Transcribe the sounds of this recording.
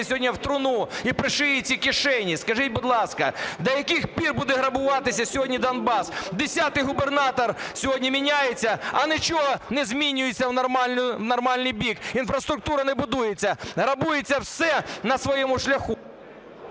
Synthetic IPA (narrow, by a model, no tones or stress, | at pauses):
sʲɦɔdʲnʲɐwt̪ɾʊnuipɾɪʃɪjɪt͡sʲikʲɪʃɛnʲiskɐʒitʲbʊd̪lˠɑskɐ̰d̪ɐjɐkɪxpʲirbud̪ɛɦɾɐbʊʋɑt̪ɪsʲɐsʲɔɦɔdʲnʲid̪ɐnbɑsd̪esʲat̪ɪjɦʊbernɑt̪ɔrsʲɔɦɔdʲnʲimʲinʲajet͡sʲːɐɐnɪt͡ʃɔɦɔnɛzʲmʲinʲʊjet͡sʲːɐwnɐrmɑnʊwnɐrmɑlʲnɨjbʲikinfɾɐst̪ɾʊk̚t̪uɾɐnɛbʊd̪ujet͡sʲːɐɦɾɐbujet͡sʲːɐwsɛnɐsʋɔjɛmʊʃlʲɐxu